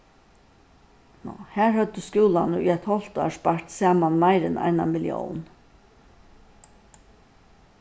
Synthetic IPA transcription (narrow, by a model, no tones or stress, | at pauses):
nɔ̰hæːɹhœt̪ːəskjuːlanəy̰ɛt̪hɔl̥t̪ɑ̰ːʂpaɹ̥t̪sɑːmanmaɪɾɪnʔa̰ɪna̰mɪljɔ̰wn